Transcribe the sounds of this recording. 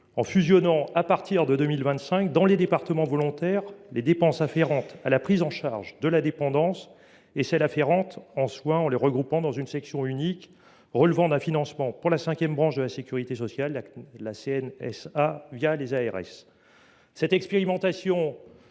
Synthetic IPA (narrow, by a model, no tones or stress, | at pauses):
ɑ̃fyzjɔnɑ̃apaʁt̪iʁd̪əd̪ømilvɛ̃t̪sɛ̃kd̪ɑ̃led̪epaʁt̪əmɑ̃vɔlɔ̃t̪ɛʁled̪epɑ̃safeʁɑ̃t̪alapχizɑ̃ʃaʁʒd̪əlad̪epɑ̃d̪ɑ̃s | esɛlafeʁɑ̃t̪ɑ̃swɛ̃ɑ̃ləʁəɡʁupɑ̃d̪ɑ̃zynsɛksjɔ̃ynik | ʁəlvɑ̃d̪ɛ̃finɑ̃smɑ̃puʁlasɛ̃kʲjɛmbʁɑ̃ʃd̪əlasekʲyʁit̪esɔsjalːaseɛnɛsavjalezaɛʁɛ̰sː | ɛt̪ɛkspeʁimɑ̃t̪asjɔ̃